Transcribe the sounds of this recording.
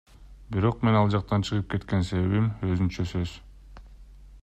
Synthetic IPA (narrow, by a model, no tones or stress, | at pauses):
biɾo̞qme̞nɑlˠd͡ʒɑq̚t̪ɑnt͡ʃʰɯʁɯp̚ke̞t̪ke̞nse̞βe̞βimø̞zynt͡ʃøsø̞z̥